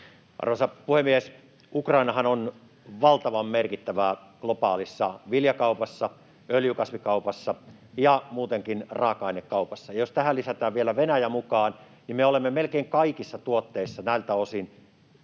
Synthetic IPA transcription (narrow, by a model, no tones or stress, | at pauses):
ʔɑ̰rʋosɑpuhemːies | ukrɑinɑɦɑnon | ʋɑlt̪ɑʋɑmːerkit̪ːæʋæ | klopɑːlisːɑʋiljɑkɑupɑsːɑ | øljykɑsʋikɑupɑsːɑjɑmuːt̪eŋkinrɑːkɑinekːɑupɑsːɑjɑjost̪æhælːisæt̪æːʋʋielæʋenæjæmukɑːn | nimeolemːemelkeiŋkɑikisːɑt̪uot̪ːeisːɑnæilt̪æosin